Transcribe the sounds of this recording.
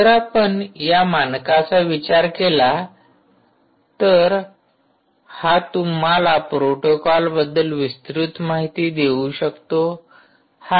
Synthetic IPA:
əɾapəɳjamankat͡saʋit͡ɕaɾkela | t̪əɾ | hat̪um̤alapɾoʈokɔlbəd̪ːəlʋist̪ɾut̪maɦit̪iːd̪euɕəkt̪o | ha

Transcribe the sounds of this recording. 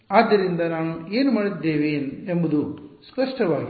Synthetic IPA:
aːd̪ːɐɾind̪ɐnaːnue̞ːnumaːɽid̪ːe̞ːʋeːnembud̪uspɐʂʈɐʋaːɡi

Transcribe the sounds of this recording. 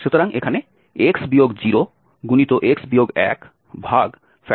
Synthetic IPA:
ʃut̪oɾaŋekʰane | eksbioɡd͡ʑiɾo | ɡunit̪oʔeksbijoɡɛ̰k | bʱaɡ | fɛ

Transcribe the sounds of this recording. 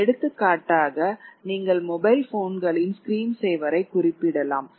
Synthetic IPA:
ɛɽɯt̪ːɯkːaːʈːaːɣɐniːŋɡɐɭmɔbɐɪlfoːnɡɐɭɪnskɾiːmsɛjʋɐɾɐɪkːʊrɪpːɪɽɐla̰ːm

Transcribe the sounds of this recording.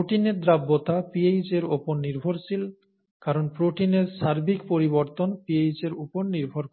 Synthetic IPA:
oʈineɾd̪ɾabːot̪apiejd͡ʑeɾopoɾniɾbʱoɾsil | kaɾonpɾoʈineɾʃaɾbʱikpoɾiβoɾt̪onpiejd͡ʑeɾopoɾniɾbʱoɾk

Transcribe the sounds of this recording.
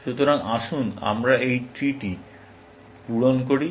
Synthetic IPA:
ʃut̪oɾaŋaʃuna̰mɾaejt̪ɾiʈi | puɽonkoɾi

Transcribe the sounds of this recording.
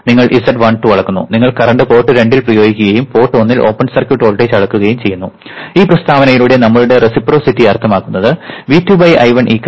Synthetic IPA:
niŋːɐɭʔisɐɖʋaːɳʈːuʋɐɭɐkːunːṵniŋːɐɭkɐrɐɳɖɨpo̞ːʈːɨɾe̞ɳɖilprɐjo̞ːɡikʲːuɣɐjumpo̞ːʈːonːilʔo̞̰ːpːɐɳsɐrkjuʈo̞ːɭʈet͡ɕɐɭɐkːuɣɐjumt͡ɕe̞jːunːu | iːprɐst̪ʰaːʋɐnɐjiluɽe̞nɐmːɐɭuɽe̞resipro̞ːsitːiɐrt̪ʰɐmaːkːunːɐðɨʋitːjubɐjʔɐ̰jʋɐnʔiːkː

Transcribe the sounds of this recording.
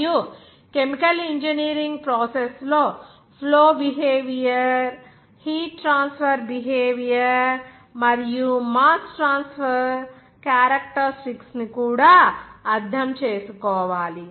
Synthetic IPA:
ju | kemikɐliɲd͡ʒɐniːɾiŋɡpɾoːsesloː | pʰloːbiɦeːʋijɐɾ | hiːʈːɾaːnspʰɐɾbiɦeːʋijɐɾ | mɐɾijumaːsʈɾaːnspɐɾ | kjaːɾɐkʈɐɾsʈiksnikuːɽaːɐd̪ʱːɐmt͡ʃeːsukɔːʋaːli

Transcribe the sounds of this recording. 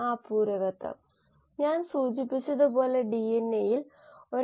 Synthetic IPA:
aːpuːɾɐɣɐt̪ːɐ̰ | ɲaːnsuːd͡ʑipːit͡ɕːɐðɨpo̞ːle̞ɖienːejil | o̞ɾ

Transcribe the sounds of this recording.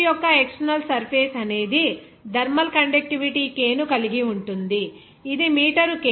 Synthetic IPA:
jɔkːɐekʂɐnɐlsɐɾpʰeːsɐne̞ːd̪i | d̪ʱɐɾmɐlkɐɳɖek̚ʈiʋiʈiːkeːnukɐliɡiuɳʈund̪iː | d̪imiːʈɐɾuke

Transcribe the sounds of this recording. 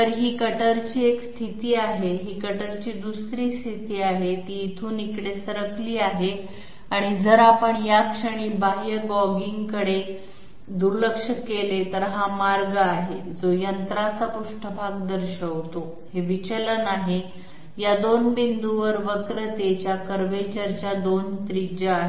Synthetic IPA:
t̪əɾɦiːkəʈəɾt͡ɕiːekst̪ʰit̪iːaɦeɦiːkəʈəɾt͡ɕiːd̪usɾiːst̪ʰit̪iːaɦet̪iːt̪ʰuːnikɽesəɾəkliːaɦe | aɽ̃id͡zəɾapəɳjakʂəɽ̃iːbaɦjəɡɔɡiŋɡkəɽe | d̪uɾləkʂəkelet̪əɾɦamaɾɡəaɦe | d͡zojənt̪ɾat͡sapuʂʈʰəbʱaɡ̚d̪əɾɕəʋt̪o | heʋit͡ɕələnaɦe | jad̪onbind̪uʋəɾʋəkɾət̪et͡ɕjakəɾʋet͡ɕaɾt͡ɕjad̪ont̪ɾid͡ʑəːɦe

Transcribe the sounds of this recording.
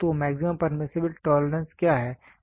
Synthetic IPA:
t̪omɛːksɪmə̃mpɐɾmɪsɪbɪlʈɔːləɾə̃nskjaːɦɛː

